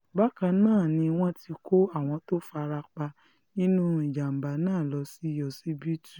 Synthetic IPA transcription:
ba˦kã˧nãː˦˨nĩ˧w̃ɔ̃˦ti˧ko˦a˦˨w̃ɔ̃˧to˦fa˧ɾa˧k͡pa˧ | nĩ˦nũ˦i˨d͡ʒa˨m̩˨ba˨˦nãː˦˨lɔ˧˦si˦jɔ˧si˦bi˦tu˨

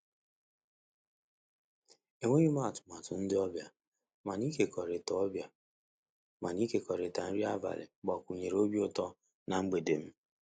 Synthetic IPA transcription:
e˨ŋʷe˦i˦ma˦˨tʊ̥˨ma˨tʊ˨n̩˦dɪ˦ɔ˦bja˨ | ma˨ni˦ke˨kɔ˨ɾe˨tɔ˨ɔ˦bja˨ | ma˨ni˦ke˨kɔ˨ɾe˨ta˨n̩˦ɾi˦a˦va̰˨lɪ̰˨ɡ͡bɔ˨kʷu˨ɲe˨ɾo˦bi˦ʊ˦tɔ˦ | na˨ŋ͡m̩˦ɡ͡be˨de˨m̩˦

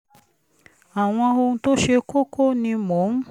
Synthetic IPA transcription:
a˨w̃ɔ̃˧o˧ũ˧to˦ʃe˧ko˦kʰo˦nĩ˧mõ˨˦n˦

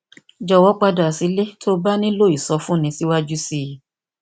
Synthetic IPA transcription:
d͡ʒɔ˨wɔ˨˦k͡pa˧da˨si˨˦le˦tʰo˦ba˦nĩ˦lo˦˨i˨sɔ˧˦fũ˦nĩ˧si˦wa˦d͡ʒu˦si˦˨

